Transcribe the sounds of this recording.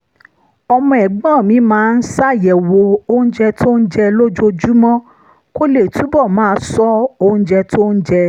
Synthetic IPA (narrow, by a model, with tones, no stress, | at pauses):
ɔ˧mɔ̃˧ɛ˨ɡ͡bã˦˨mĩ˨˦mãː˨˦˧n̩˦sa˦˨jɛ˨wo˧o˧ũ˦d͡ʒɛ˧tʰo˦n̩˦d͡ʒɛ˧lo˦d͡ʒo˦d͡ʒu˦mɔ̃˦ | ko˦le˦˨tu˨˦bɔ˦˨mãː˦˧˦sɔ˦õ˧˦d͡ʒɛ˧to˦n̩˦d͡ʒɛ˧